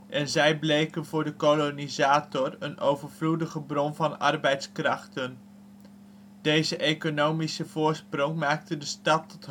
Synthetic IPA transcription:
ʔɛnzɛjblejkənvʊːɹdəkolonizaːtɔrənowvəɹvludəχəbrɔnvɑnɑ̰rbɛjtskrɑχtən | d̥ejzəʔejkonowmisəv̥ʊːɹsprɔŋmaːk̚tədəstɑtːɔt

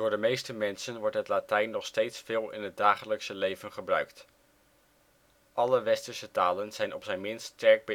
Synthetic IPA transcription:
d̥ʊːɹdəmejstəmɛnsənʋɔɹtɦətlatɛjnːɔχstejtsfɪːlˠɪ̰nɦət̚daːχələksəlejvənχəbrœɥkt | ʔɑləʋɛstəɹsətaːlənz̥ɛjnʔɔpsɛjnmɪnstɛɹk̚bə

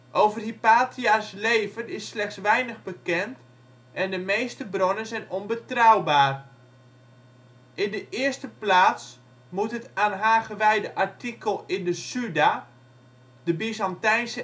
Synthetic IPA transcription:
ʔowvərɦipaːtʰiaslejvənɪsːlɛxsʋɛjnəχbəkɛnt | ʔɛndəmejstəbronənzɛjnɔnbətrawbaːr | ʔɪndəʔɪərstəplaːts | mutɦətaːnɦaːχəʋɛjdəʔaɹtikəlˠɪndəsyda | dəbizɑntɛjnsə

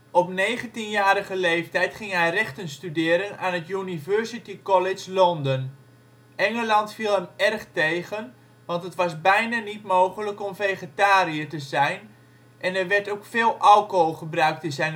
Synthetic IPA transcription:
ɔpnejχəntinjaːɾəɣəlejftɛjtχɪŋɦɛjrɛχtənstydɪːɾənaːnətjynivøɹsitikɔlɪd͡ʒlɔndən | ʔɛŋəlɑntfilˠɦəmɛrχtejɣən | ʋɑntətʋɑsbɛjnanitmoːχələkɔmvejχetaːɾiətəzɛjn | ʔɛnɛrʋɛɹtokfeːlˠʔawkoχəbrœɥk̚tɪnzɛjn

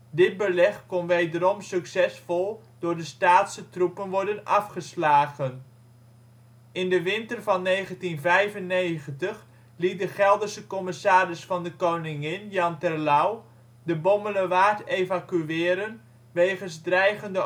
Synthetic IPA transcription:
dɪd̚bəlɛχkɔnʋejdəɾɔmsɵksɛsfɔlˠ | d̥ʊːɹdəstaːtsətrupənʋɔɹdənɑfχəslaːχən | ɪndəʋɪntərvɑnːejχəntinvɛjvənːejχəntəχ | lit̚dəχɛlˠdəsəkɔmɪsaːrɪsfɑndəkownɪŋɪnjɑntɛrlaw | dəbɔmələʋaːtejvakyʋɪːɾən | ʋejχənzdrɛjχəndə

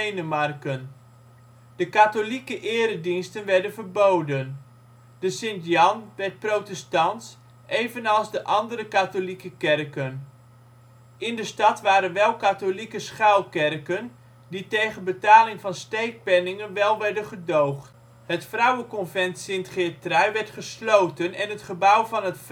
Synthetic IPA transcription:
enəmɑrkən | d̥əkatolikəʔɪːɾədinstənʋɛɹdənvərbowdən | dəsɪntjɑnʋɛɹt̚prowtɛstɑnts | ʔejvənɑlˠzdəʔɑndəɾəkatolikəkɛrkən | ɪndəstɑtʋaːɾənʋɛlˠkaːtolikəsχaːlˠkɛrkən | ditejχənbətaːlɪŋvɑnstejk̚pɛnɪŋənʋɛlˠʋɛɹdənχədowχt | ɦətfrʌwəkɔnvɛntsɪntχɪːtrɛɥʋɛɹtχəslowtənɛnɦətχəbʌwvɑnɦətf

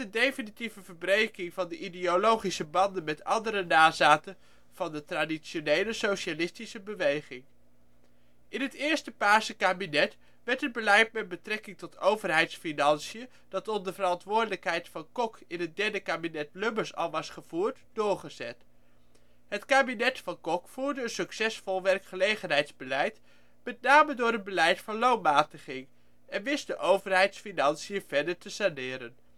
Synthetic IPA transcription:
əndejfənitivəvəɹbrejkɪŋvɑndəʔideolowχisəbɑndənmɛtɑ̰ndəɾənaːzaːtə | v̥ɑndətradiʃonejləsowʃalɪstisəbəʋejχɪŋ | ʔɪnɦətɪːɹstəpaːsəkaːbinɛt | ʋɛɹtəd̚bəlɛjtmɛd̚bətrɛkɪŋtɔtʰowvəɹɦɛjtsfinɑnsijə | d̥ɑtɔndəvəɾɑntʋʊːɹdələkɦɛjtfɑnkɔkɪnɦət̚dɛɹdəkaːbinɛt̚lɵməɹsɑ̰lˠʋɑsχəv̥uːɹtdʊːɹχəzɛt | ɦətkaːbinɛtfɑnkɔkfuːɹdəənsɵksɛsfɔlˠʋɛrkχəlejχənɦɛjdzbəlɛjt | mɛtnaːmədʊːɾənbəlɛjtfɑnlownmaːtəχɪŋ | ɛnʋɪsdəʔowvəɹɦɛjtsfinɑnsijəv̥ɛɹdəɹtəsanɪːɾən

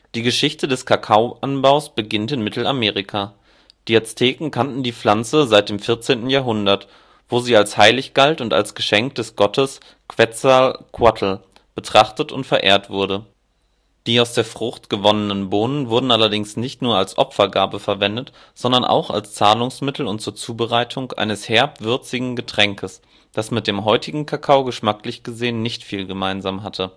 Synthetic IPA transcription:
d̥iːɡəʃɪçtədɛskʰakʰaʊʔanbaʊsb̥əɡɪntɪnmɪtʰl̩ameːʁɪkʰa | d̥iɛt͡stʰeːkŋ̩kʰantn̩diːp͡fl̥ant͡səzaɪt̚d̥eːmfɪɐt͡seːntn̩jaːɐɦʊndɐt | v̥oːziːalshaɪlɪçɡ̥altʊnta̰lsɡ̥əʃɛŋk̚d̥ɛsɡ̥ɔtʰəs | kv̥ɛt͡sakʰwatʰl̩ | b̥ətʁ̥aχtətʊ̰ntfɛɐʔḛːɐtv̥ʊɐɾə | d̥iːaʊsd̥eːɐfʁ̥ʊχtɡ̥əvɔnənənboːnənvʊɐdn̩ʔalɐdɪŋsnɪçtnuːɐalsʔɔ̰pfɐɡaːɐbəfɛɐvɛndət | z̥ɔndɐnʔa̰ʊxa̰lst͡saːlʊŋsmɪtʰl̩ʊnt̚t͡suːɐt͡suːbəʁaɪtʰʊŋʔa̰ɪnəshɛɐpv̥ʏɐt͡sɪɡŋ̩ɡətʁ̥ɛŋkʰəs | d̥asmɪt̚d̥eːmɦɔʏtʰɪɡŋ̩kʰakʰaʊɡəʃmaklɪçɡ̥əzeːənːɪçtfiːlɡəmaɪnzaːmɦatʰə

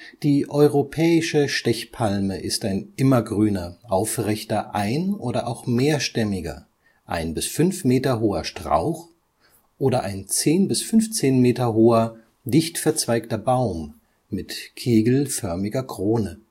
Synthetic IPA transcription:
d̥iːʔɔʏʁopʰɛːɪʃəʃtɛçpʰalməʔɪstaɪnʔɪmɐɡʁyːnɐʔaʊfʁɛçtɐʔaɪnʔoːdɐʔaʊxmeːɐʃtɛmɪɡɐ̰ | ʔa̰ɪnbɪsfʏnfmeːtɐɦoːɐʃtʁ̥a̰ʊx | ʔoːɾɐʔaɪnt͡seːnbɪsfʏnft͡seːnmeːtɐɦoːɐ | dɪçtfɛɐt͡sv̥aɪktɐbaʊmː | ɪtkʰeːɡl̩fœɐmɪɡɐkʁ̥oːnə

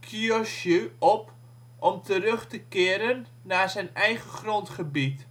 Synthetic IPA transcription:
kʰiɔʃøɔp | ʔɔmtʰərøχtəkɪːəɾənːaːzɛjnɛjχəχrɔntχəbit

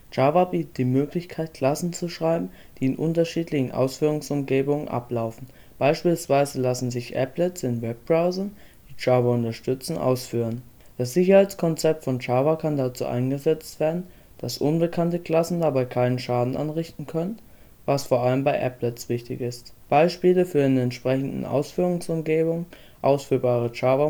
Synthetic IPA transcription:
d͡ʒ̥aːvabiːtət̚d̥iːmøːklɪçkʰaɪt̚kʰl̥asn̩t͡suʃʁ̥aɪbm̩ | d̥iːɪnʔʊntɐʃiːtʰlɪçn̩ʔa̰ʊsfyːʁʊŋsʊmɡeːbʊŋənʔa̰plaʊfn̩ | b̥aɪʃpiːlsv̥aɪzəlasn̩zɪçʔɛ̰plɛt͡sɪnwɛp̚b̥ʁaʊzɐn | d̥iːd͡ʒaːvaʊntɐʃtʏt͡sn̩ʔa̰ʊsfyːʁən | d̥as̬z̥ɪçɐhaɪt͡skʰɔnt͡sɛp̚tfɔnt͡ʃaːvɐkʰandat͡sṵːʔa̰ɪnɡəzɛt͡stv̥eːɐdn̩ | d̥asʔʊnbəkʰantəkl̥asn̩dabaɪkʰaɪnənʃaːdn̩ʔa̰nʁɪçtn̩kʰœnən | vasfoːɐʔaləmbaɪʔɛ̰plɛt͡sv̥ɪçtɪ̰çɪstb̥aɪʃpiːləfyːɐdɪnəɛntʃpʁ̥ɛçn̩dn̩ʔa̰ʊsfyːʁʊŋsʊmɡeːbʊŋə | ʔaʊsfyːɐbaːʁ̞ət͡ʃaːvɐ

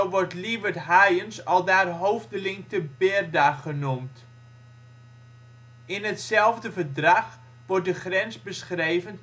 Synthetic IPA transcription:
oʋɔrtliʋərtɦajənsɔlˠdaːrɦowvdəlɪŋtəbɪrdaχənumt | ɪnətsɛlˠvdəvərdraχ | ʋɔrt̚dəχrɛnsbəsχrejvən

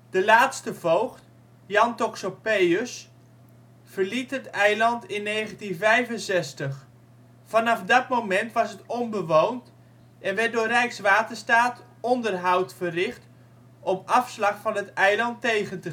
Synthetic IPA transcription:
d̥əlaːtstəvowχt | jɑntoksopejəs | fəɹlitɦətɛjlɑntɪnːejχəntinvɛjvənsɛstəχ | fɑnɑfdɑtmowmɛntʋɑsɦətɔnbəʋownt | ɛnʋɛt̚dʊːrɛjksʋaːtəɹstaːt | ɔndərɦʌwtfərɪχt | ɔmɑfslɑχfɑnɦətɛjlɑntejχəntə

